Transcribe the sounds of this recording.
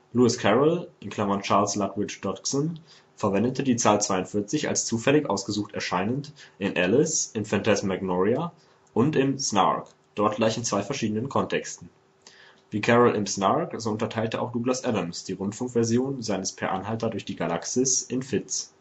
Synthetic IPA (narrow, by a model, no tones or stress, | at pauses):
luɪskʰɛʁəlʔɪnkʰl̥amɐnt͡ʃaːɐlslatvɪt͡ʃd̥ɔtksɔn | fɛɐvɛndətʰədiːt͡saːlt͡sv̥aɪʊntfɪɐt͡sɪça̰lst͡suːfɛlɪçʔa̰ʊsɡ̥əzuːxtɛɐʃaɪnəntʔɪnʔɛlɪsʔɪmfɛntʰɛsmaɡnɔʁia | ʔʊntɪmsna̰k | d̥ɔɐt̚ɡ̥laɪçɪnt͡sv̥aɪfɛɐʃiːdənənkʰɔntʰɛkstn̩ | viːkʰɛʁəlɪ̰msnakz̥oʊntɐtʰaɪltəʔa̰ʊxd̥uːɡlasʔɛdəmsd̥iːʁʊntfʊŋkv̥ɛɐzjoːnzaɪnəspʰɛɐʔa̰nɦaltɐdʊɐçd̥iːɡala̰ksɪsʔɪnfɪtt͡s